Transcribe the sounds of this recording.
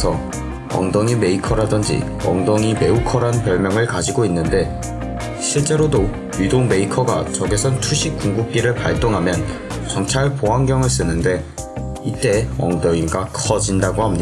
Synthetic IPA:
sʰʌ | ʌ̰ŋdʌŋime̞ikʰʌɾadɯnd͡ʑḭ | ʌ̰ŋdʌŋime̞ukʰʌɾanpjʌɭmjʌŋɯɭkad͡ʑiɡoinːɯnde̞ | ɕʰiɭt͡ɕ͈e̞ɾodo | ɥidoŋme̞ikʰʌɡat͡ɕʌɡesʰʌntʰuɕʰik͈̚uŋɡup̚k͈iɾɯɭpaɭt͈oŋɦamjʌn | t͡ɕʌnt͡ɕʰaɭpoɦaŋɡjʌŋɯɭs͈ɯnɯnde̞ | it͈e̞ʌ̰ŋdʌŋiɡakʰʌd͡ʑindaɡoɦhamɲida

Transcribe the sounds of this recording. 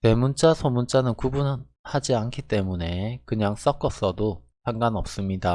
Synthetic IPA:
te̞munt͡ɕ͈asʰʌmunt͡ɕ͈anɯnkubun | had͡ʑiankʰit͈e̞mune̞kɯɲaŋs͈ʌk͈ʌs͈ʌdo | pʰaŋɡanʌp̚s͈ɯmɲida

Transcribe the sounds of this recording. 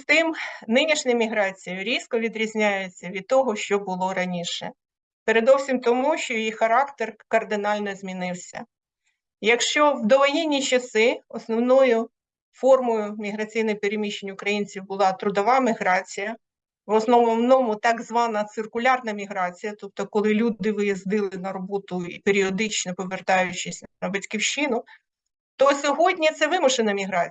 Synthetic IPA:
st̪ɪmnɪnʲiʃnʲɛjmʲiɦɾɑt͡sʲijʊɾʲiskɔʋʲid̪ɾʲizʲnʲajet͡sʲːɐʋʲid̪̚t̪ɔɦɔʃt͡ʃɔbʊlˠɔɾɐnʲiʃɛ̰ | peɾed̪ɔwsʲimt̪ɔmuʃt͡ʃɔjjixɐɾɑkt̪erkɐrd̪ɪnɑlʲnɔzʲmʲinɪwsʲɐ̰ | jɐkʃt͡ʃɔwd̪ɔʋɔjinʲːit͡ʃɐsɪɔsnɔwnɔjʊ | fɔrmɔjʊmʲiɦɾɐt͡sʲijnɔpeɾemʲiʃenʲʊkɾɐjinʲt͡sʲiwbʊlˠɑt̪ɾʊd̪ɔʋɑmʲiɦɾɑt͡sʲijɐ | ʋɔsnɔmɔwnɔmʊt̪ɑɡzʋɑnɐt̪sɪrkʊlʲɑrnɐmʲiɦɾɑt͡sʲijɐt̪ɔp̚t̪ɔkɔlˠɪlʲud̪ɪʋɪjizd̪ɪlˠɪnɐɾɔbɔt̪ʊipeɾʲiɔd̪ɪt͡ʃnɔpɔʋert̪ɑjʊt͡ʃɪsʲnɐbɐtʲkʲiwʃɪnʊ | t̪ɔsʲɔɦɔdʲnʲit̪sɛʋɪmʊʒenɐmʲiɦɾɑt͡sʲ

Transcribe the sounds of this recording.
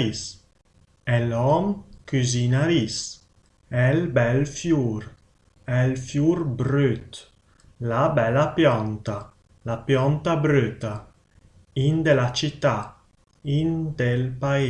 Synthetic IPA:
is | ɛlɔmkyzinaɾis | ɛlbɛlfjuɾ | ɛlfjuɾbɾøt̪ | labɛlapjɔnt̪a | lapjɔnt̪abɾøt̪a | ind̪elat͡ʃit̪ːa | ind̪elpa

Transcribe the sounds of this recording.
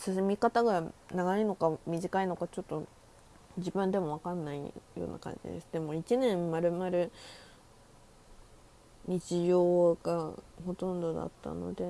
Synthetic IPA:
sɨsemʲikat̪aɡanaɡaino̞kamʲiʑikaino̞kat͡ɕo̞t̪ːo̞ | d͡ʑibɯ̟̃nd̪e̞mo̞β̞akãnːaḭjo̰ːnʔa̰kã̰ɲ̟d͡ʑḭd̪e̞sɨd̪e̞mo̞it͡ɕinẽ̞mːaɾɯ̟maɾɯ̟ | ɲ̟it͡ɕiʑo̞ːɡaho̞t̪õ̞nd̪o̞d̪a̰t̪ːa̰no̞̰d̪e̞

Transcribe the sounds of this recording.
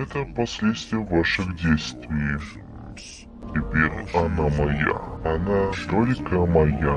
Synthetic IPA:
ɛt̪əpɐsʲlʲet̪st̪vʲɪjəvaʂɨxdʲejst̪vʲɪjɪ | tʲɪpʲeɾʲɐnamɐja̰ɐnad̪olʲkəmɐja

